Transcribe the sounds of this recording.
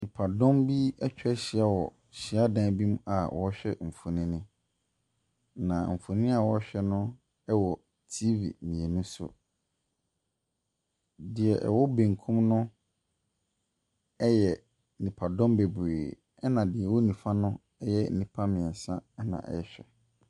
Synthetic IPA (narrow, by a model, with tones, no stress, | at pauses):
nĩ˨pʰa˨dɔ̃˦mbi˦ɛ˦t͡ɕᶣɛ˦ɕɪ˨a˦wɔ˨ | ɕɪ˨a˦dã˦bĩ˦m˦a˨wɔ˦ɕᶣɛ˦m̩˨fo˨nɪ̃˦nɪ̃˦ | nã˨m̩˨fo˨nĩ˦a˦˨wɔ˦ɕᶣɛ˦nʊ̃˦ | ɛ˦wɔ˨ | tʰi˦vḭ˨mĩ˨e˨nʊ̃˦sʊ̰˨ | dɪ˨ɛ˨ʔɛ̰˨wɔ˦bẽ˨ŋ˨kʰũ˦mnʊ̃˦ | ɛ˦jɛ˨ | nĩ˨pʰa˨dɔ̃˦mbe˨beː˨ | ɛ˦nã˨dɪ˨ɛ˨wɔ˦nĩ˨fã˦nʊ̃˦ | ɛ˦jɛ˦n̩˦˨nĩ˨pʰa˦mɪ̃˨ɛ˨sã˦ɛ˦nã̰˨ʔɛ̰˨ɛ˨ɕᶣɛ̰˨